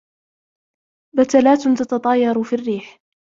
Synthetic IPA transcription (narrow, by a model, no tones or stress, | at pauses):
bat̪alaːt̪nt̪at̪ɑt̪ˤɑjɑɾˤufirːiːħ